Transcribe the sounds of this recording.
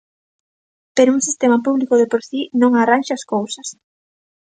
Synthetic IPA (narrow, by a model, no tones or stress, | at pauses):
peɾouŋsist̪emapuβlikoðepoɾsinõŋaranʃaaskowsɐs